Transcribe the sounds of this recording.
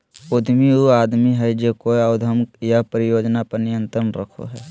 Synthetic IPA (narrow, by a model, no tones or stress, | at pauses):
ʊd̪ʱmiuaːd̪miɦɛd͡ʒekoaʊd̪ʱəmkjapəɾɪjoːd͡ʒnapɐɾnɪjə̃nt̪ɾənɾə̰kʰo̰ɦɛː